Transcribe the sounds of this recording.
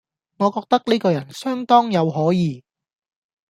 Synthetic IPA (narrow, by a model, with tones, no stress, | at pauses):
ŋɔː˨˧kɔː˧k̚t̪ɐ˥k̚niː˥kɔː˧jɐ˨˩nsœː˥ŋt̪ɔː˥ŋjɐ˨˧wɦɔː˨˥jiː˨˧